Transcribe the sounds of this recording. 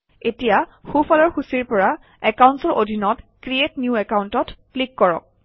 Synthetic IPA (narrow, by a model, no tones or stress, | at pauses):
etijaxufɔlɔɹxusiɹpɔɹa | ɛkawntsɔɹʔodʱinɔtkɹietnjuɛkawntɔtplikːɔɹɔ̰k̚